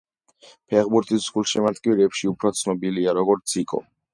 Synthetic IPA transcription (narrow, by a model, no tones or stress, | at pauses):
pʰɛʁbuɾt̪ʼiszɡulˠʃɛmat̪ʼkʼiɾɛːpʃiupʰɾɔt̪sʰnɔbiliaɾɔɡɔɾt̪sʰikʼɔ̰